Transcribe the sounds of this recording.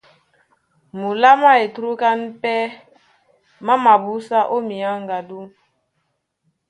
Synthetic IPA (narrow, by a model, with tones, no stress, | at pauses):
mu˨la˦ma˦e˨tɾu˦ka˦n˦pɛ˦ | ma˦ma˨bu˦sa˦ʔo˦mi˨a˦ŋ˨ɡa˨du˦